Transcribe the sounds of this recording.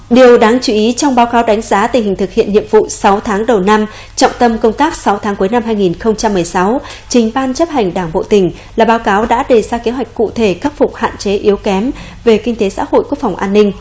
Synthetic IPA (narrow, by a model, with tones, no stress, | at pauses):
ɗi˨˩əwɗaː˨˦ŋt͡ɕi˧˩ʔi˨˦t͡ɕɔ˧wŋ͡mɓaː˨˦wkaː˨˦wɗa˨˦jŋ̟zaː˨˦t̪ï˨˩ŋ̟hï˨˩ŋ̟t̪ɨ˨˩k̚hḭ˧˨nɲḭ˧˨əmvṵ˧˨sa˨˦wt̪ʰaː˨˦ŋɗə˨˩wna˧m | t͡ɕɔ̰˧˨wŋ͡mt̪ə˧mkə˧wŋ͡mt̪aː˦˥k̚sa˨˦wt̪ʰaː˨˦ŋku˨˦jna˧mhaː˧jŋi˨˩nxə˧wŋ͡mt͡ɕa˧mːɨ˨˩əjsa˨˦wt͡ɕï˨˩ŋ̟ɓaː˧nt͡ɕə˦˥p̚ha˨˩jŋ̟ɗaː˧˩ŋɓo̰˧˨t̪ï˨˩ŋ̟ | laː˨˩ɓaː˨˦wkaː˨˦wɗa̰ː˧˥ɗe˨˩zaː˧ke˨˦ɦwa˨˩jk̟̚kṵ˧˨t̪ʰe˧˩xa˦˥k̚fʊ˨˩k͡p̚ha̰ː˧˨nt͡ɕe˨˦ʔi˨˦əwkɛ˨˦m | ve˨˩kï˧ŋ̟t̪e˨˦sa̰ː˧˥ho̰˧˨jku˦˥ək̚fa˨˩ŋ͡mʔaː˧nːï˧ŋ̟